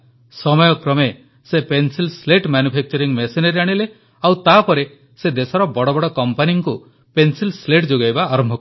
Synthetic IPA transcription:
sɔmɔjɔkɾɔme | sepensilsleʈmanjupʰek̚t͡ʃɔɾiŋmeseneɾaɽ̃ile | awt̪apɔɾe | sed̪esɔɾɔbɔɽɔbɔɽɔkɔmpaniŋku | pensilsleʈd͡ʒoɡajbaːɾɔmbʱɔk

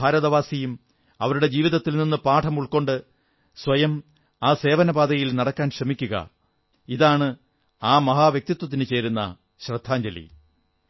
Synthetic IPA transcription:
aːɾɐðɐʋaːsijum | ɐ̰ʋɐɾuɽe̞d͡ʑiːʋiðɐt̪ːilninːɨpaːʈʰɐmuɭko̞ɳɖɨ | sʋɐjɐm | aːse̞ːʋɐnɐbaːd̪ɐjilnɐɽɐkːaːnɕrɐmikʲːuɣɐ̰ | iðaːɳɨ | aːmɐɦaːʋjɐk̚t̪it̪ːwɐt̪ːinɨt͡ɕe̞ːɾunːɐ̰ | ɕrɐd̪ʱːaːɲd͡ʑɐlḭ

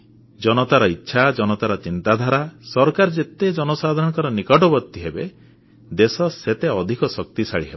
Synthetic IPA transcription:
d͡ʒɔnɔt̪aɾɔitːʃʰad͡ʒɔnɔt̪aɾɔt͡ʃint̪ad̪ʱaɾasɔɾkaɾɔd͡ʒet̪ed͡ʒɔnɔsad̪ʱɔɾɔ̃ɽ̃ɔŋkɔɾɔnikɔʈɔbɔɾt̪ːiɦebḛ | d̪esɔset̪eɔd̪ʱikɔsɔk̚t̪isaɭiɦebɔ

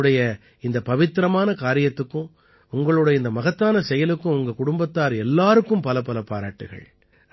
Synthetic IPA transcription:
ɽɐjɐ | ɪnd̪ɐpɐʋɪt̪ːɪɾɐmaːnɐkaːɾɪjɐt̪ːɯkːɯ̃ | ʊŋɡɐɭɯɽɐjɐɪnd̪ɐmɐɣɐt̪ːaːnɐsɛjɐlɯkːɯ̃ʊŋɡɐkʊɽʊmbɐt̪ːaːɾɛlːaːɾɯkːɯmpɐlɐpɐlɐpaːɾa̰ːʈːɯ̰ɣɐ̰ɭ

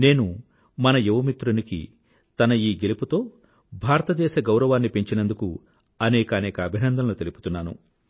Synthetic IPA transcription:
ne̞ːnu | mɐnɐjeʋɐmit̪ɾunikḭ | t̪ɐnɐiːɡeliput̪o̞ː | bʱaːɾɐt̪ɐd̪ɛːʃɐɡɐwɾɐʋaːnːipe̞ɲt͡ʃinɐnd̪uku | ɐnɛːkɐːnɛːkɐːbʱinɐnd̪ʱɐnloːt̪elipu̥t̪unːaːnṵ

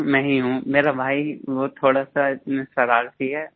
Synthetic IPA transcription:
mɛ̃ːɦiɦũmeːɾabʱaːiʋot̪ʰoːɽasaɪt̪nesɐɾaːɾsiɦɛː

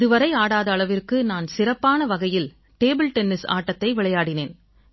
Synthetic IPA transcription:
ɪðɯʋɐɾɐɪaːɽaːðɐːɭɐʋɪrkɯnaːnsɪrɐpːaːnɐʋɐɣɐjɪl | ʈeːbɪlʈɛnːɪsa̰ːʈːɐt̪ːɐɪʋɪɭɐjaːɽɪneːn

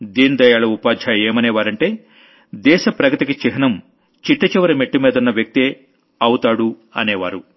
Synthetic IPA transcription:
d̪iːnid̪ɐjaːɭɐupaːd̪ʱaeːmɐnɛːʋaːɾɐɳʈe̞ː | d̪ɛːʃɐpɾɐɡɐt̪ikit͡ʃiɦɐnɐm | t͡ʃiʈːɐt͡ʃiʋɐɾɐmeʈːimeːd̪unːɐʋjɐk̚t̪ieː | ɐwut̪aːɽu | ɐ̰neːʋa̰ːɾu

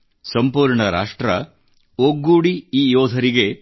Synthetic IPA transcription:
sɐmpuːɾɳɐɾa̰ːʂʈɾɐ̰ | oɡuːɽiiːjɔːd̪ʱɐɾiɡe̞

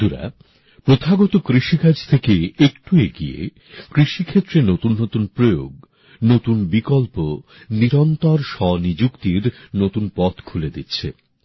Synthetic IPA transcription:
d̪uɾa̰ | pɾot̪ʰaɡɔt̪okɾiʃikad͡ʑʱt̪ʰekeekʈueɡiḛ | kɾiʃikʰet̪ːɾenot̪unːot̪unpɾojo̰ɡ | not̪unbikɔlpo | niɾɔnt̪ɔɾʃɔnid͡ʑukt̪iɾnot̪unpɔt̪kʰuled̪it̪ːɕʰḛ

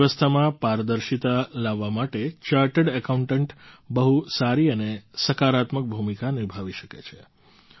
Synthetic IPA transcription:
ʋəst̪ʰamãpaɾd̪əɾʃit̪alaʋːamaʈet͡ʃaɾʈəɽəkaũɳʈəɳʈbəɦusaɾiənesəkaɾat̪mək̚bʱumikaniɾbʱaʋiʃəkḛt͡ʃʰe

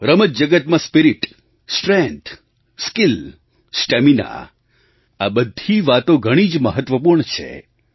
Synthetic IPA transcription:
ɾəmət̪̚d͡ʒəɡət̪mãspiɾiʈ | sʈɾẽnt̪ʰ | skil | sʈemina̰ | abəd̪ʱiʋat̪oɡʱəɽ̃id͡ʒməɦət̪ʋəp̬uɾɳt͡ʃʰḛ

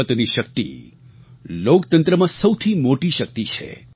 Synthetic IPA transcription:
ət̪niʃək̚t̪ḭ | lokt̪ənt̪ɾəmãsəwt̪ʰimoʈiʃək̚t̪it͡ʃʰḛ

